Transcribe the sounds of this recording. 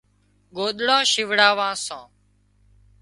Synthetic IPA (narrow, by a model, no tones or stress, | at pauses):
ɠoːɗ̪ɽãːʃɪʋɽaːʋãːsã̰ː